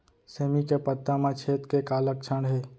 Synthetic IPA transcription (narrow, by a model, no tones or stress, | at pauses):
seːmikepət̪ːamãt͡ʃʰeːt̪kekaːlək̚t͡ʃʰəɳɦe